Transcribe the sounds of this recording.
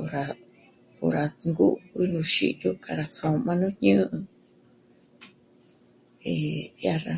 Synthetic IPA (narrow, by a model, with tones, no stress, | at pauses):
o˨ɾa˧ | ṵ˧ɾa˨ŋɡu˦βɨ˦nũ˧ʃḭ˦jo˦kʰa˧ɾa˧t͡sõ˨˧mã˦nũ˦ɲɨ̃ː˦ʔɨ̃˧ | i˨ja˦ɾa˧